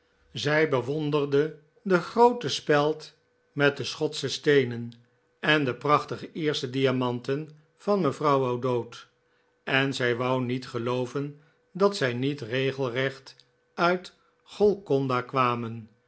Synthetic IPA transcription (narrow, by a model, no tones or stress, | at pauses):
zɛjbəʋɔndərdə | dəχrowtəspɛlˠt | mɛt̚dəsχɔtsəstejnən | ɛndəprɑχtəχəɪːɹstədijamɑntən | v̥ɑnməvrɑwawdowt | ɛnzɛjʋɑwnitχəlowvən | dɑtsɛjnitrejχəl̩ˠrɛχt | œɥt | χɔlˠkɔndakʋaːmən